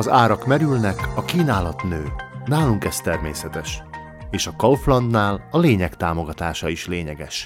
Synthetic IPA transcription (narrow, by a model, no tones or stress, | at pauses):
ɒzaːɾɒkmɛɾylnɛkɒkiːnaːlɒt̪nøːnaːluŋkɛst̪ɛrmḛːsɛt̪ɛʃ | eːʃɒkɒlflɒnd̪naːlɒleːɲɛkt̪aːmo̞ɡɒt̪aːʃɒiʃleːɲɛɡɛ̰ʃ